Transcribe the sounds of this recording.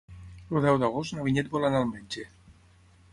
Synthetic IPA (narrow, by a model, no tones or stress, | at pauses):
luðɛwd̪aɣost̪naβiɲet̪̚bolanalˠmeɲʲd͡ʒe